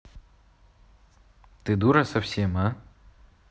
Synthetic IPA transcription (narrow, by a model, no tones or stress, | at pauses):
t̪ɨd̪uɾɐsɐfsʲema